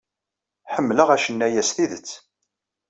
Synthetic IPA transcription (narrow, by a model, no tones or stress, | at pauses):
ħəmːləʁæʃənːæjæsθiðət͡sː